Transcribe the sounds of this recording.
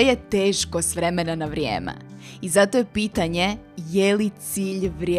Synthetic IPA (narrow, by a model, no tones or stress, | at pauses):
jet̪eːʃkost̪ʋɾemenanaʋɾjḛːmɛ̰ | izat̪ojepiːt̪aɲe̞jelit̪siːʎʋɾʲje